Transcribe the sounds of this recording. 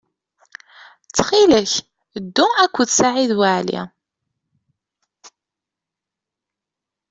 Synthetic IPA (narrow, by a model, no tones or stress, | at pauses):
t͡sːχiləç | əd̪ːuækʷːəθsaʕiðwaʕlḭ